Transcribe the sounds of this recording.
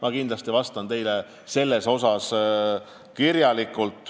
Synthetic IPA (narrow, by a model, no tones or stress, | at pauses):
mʔɑkind̪lɑst̪ivɑst̪ɑnt̪e̞jle | se̞lːe̞so̞sɑs | kirjɑlikˑːult̪ˑː